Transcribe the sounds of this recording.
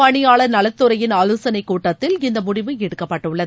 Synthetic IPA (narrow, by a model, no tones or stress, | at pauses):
ɐɳɪjaːɭɐɾnɐlɐt̪ːɯɾɐjɪnaːloːsɐnɐɪkːuːʈːɐt̪ːɪlɪnd̪ɐmʊɽɪʋɯɛɽɯkːɐpːɐʈːɯɭːɐðɯ